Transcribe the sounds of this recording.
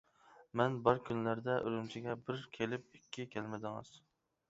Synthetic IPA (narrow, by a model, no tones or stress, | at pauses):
mɛnbɑɾkʲʰynlæɾd̪ɛʔøɾymt͡ʃʰiɡʲɛbɪɾkʲʰelɪp̚ikʲʰːikʲʰɛlmɪd̪ɪŋɨ̰z̥